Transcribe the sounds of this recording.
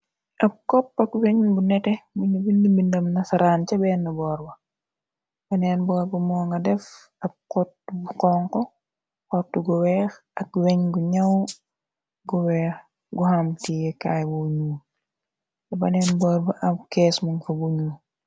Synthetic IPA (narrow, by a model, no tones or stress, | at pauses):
ʔɐb̚kɔpːɐkwɛɲɡunɛtɛmuɲubindimindɐmnɐsɐɾaːncɐbɛːnːɐbɔːɾbɐ | b̥ɐnɛːnbɔːɾbɐmɔːŋɡɐdɛf | ɐb̚kɔtːubuqɔŋkɔ | kɔtːuɡuwɛːxʔɐk̚wɛɲɡuɲɐw | ɡuwɛːx | ɡuhamtijɛkaːjbuɲuː | tɛbɐnɛːnbɔːɾbɐʔɐbkɛːsmɐŋfɐbuɲuː